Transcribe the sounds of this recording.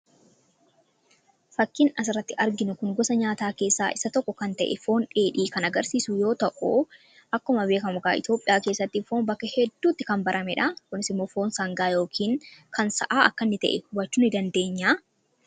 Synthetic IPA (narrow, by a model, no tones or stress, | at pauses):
fɐkːɪnɐs̬ɪrɐt̪ːɪʔɐɾɡɪnʊkʊŋɡɔsɐɲaːt̪aːke̞ːsːa̰ːʔɪsɐt̪ɔkːɔkɐnt̪ɐ̰ʔɛ̰fo̞ːnᶑeːᶑiːkɐnɐɡɐɾsiːsʊjo̞ːt̪ɐʔu | ʔɐkːɐʊmɐbe̞ːkɐmʊɡaːɪ̰t̪jo̞ːpʼːɪjaːke̞ːsːɐt̪ːifoːmbɐkːɐhɛd̪ːuːt̪ːɪkɐmbɐɾʔɐmɛᶑɐkʊnɪsɪmːo̞ːfo̞ːnsɐŋɡaːjo̞ːkʰiːŋkʰɐnsɐ̰ʔaːɐkːɐnːɪt̪ɐ̰ʔɛhʊbɐt͡ʃːuːnɪd̪ɐnd̪e̞ːɲːaː